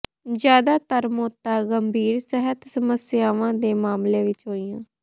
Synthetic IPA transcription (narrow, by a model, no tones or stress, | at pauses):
d͡ʒjaːd̪aːt̪əɾmoːt̪ːaːɡəmbʱiːɾsəɦət̪səməsjaːʋãːd̪eːmaːmleːʋɪt͡ʃɦoːiːjãː